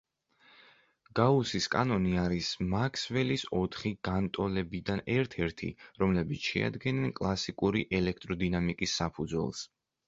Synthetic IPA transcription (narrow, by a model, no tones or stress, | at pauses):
ɡ̥ausiskʼa̰nɔniaɾismakʰsvɛlisɔt̪ʰχiɡ̥ant̪ʼɔlɛbid̪anɛɾt̪ʰɛɾt̪ʰḭɾɔmlɛbit̪sʰʃɛ̰a̰d̪ɡɛnɛnkʼlˠasikʼuɾiʔɛlɛk̚ʰt̪ʼɾɔd̪inamikʼisːapʰud̪zwɛ̰lˠs